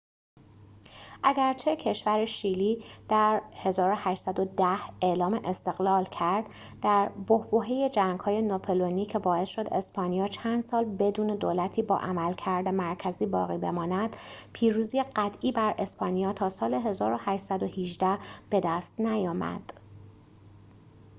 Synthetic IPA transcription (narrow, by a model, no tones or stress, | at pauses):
ʔæɟæɾt͡ʃʰe̞cʰe̞ʃvæɾeʃiːliːd̪̥æɾhe̞zɒːɾo̞hæʃsæd̪o̞d̪æhe̞lɒːmeʔest̪e̞ɣlɒːlcʰæɾd̪̥ | d̪æɾbohboɦeje̞d͡ʒæŋɡ̥hɒːje̞nopʰoloniːcʰe̞bɒːe̞sʃo̞d̪e̞spɒːnijɒːt͡ʃʰænd̪̥sɒːlbe̞d̪uːne̞d̪oːlæt̪ʰiːbɒ̰ːʔæmælcʰæɾd̪emæɾcʰæziːbɒ̰ːɣiːbe̞̰mɒːnæd̪̥pʰiːɾuːzijeɢæt̪ʰʔiːbæɾʔe̞spʰɒːnijɒːt̪ʰɒːsɒːle̞ɦe̞zɒːɾo̞hæʃsæd̪o̞hiʒd̪æhb̥e̞d̪æst̪næjɒːmæ̰d̪̥